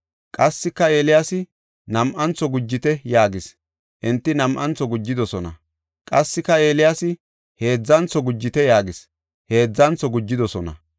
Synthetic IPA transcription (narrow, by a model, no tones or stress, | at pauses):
kʼɐsːɪkːɐe̞ːlɪjaːsɪ | nɐmʔɐnt͡sːɔɡʊd͡ʒːɪt̪ɛjaːɡɪs | ʔɪnt̪ːɪnɐmʔɐnt͡sɔɡʊd͡ʒːɪd̪ɔsɔnɐ̰ | kʼɐsːɪkːɐe̞ːlɪjaːsɪ | he̞ːd͡zːɐnt͡sɔɡʊd͡ʒːɪt̪ɛjaːɡɪs | he̞ːd͡zːɐnt͡sɔɡʊd͡ʒːɪd̪ɔsɔnɐ̰